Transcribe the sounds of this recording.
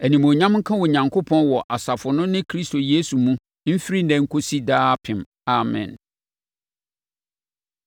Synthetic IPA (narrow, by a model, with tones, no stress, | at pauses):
æ˨nĩ˨mõ˨ɲã˦mŋ̩˦kʰã˦wɔ˨ɲã˨ŋkʰo˦pʰɔ̃˦nwɔ˨ʔa˨sa˨fʊ˨nʊ̃˦nɪ̃˦kʰɾi˦sto˨jeː˦su˨mũ˦ | m̩˦fi˦ɾi˦nɛ̃˨ŋ̩˦kʰo˦si˦daː˦pʰɪ̃˨m | a˨mɛ̰̃˨n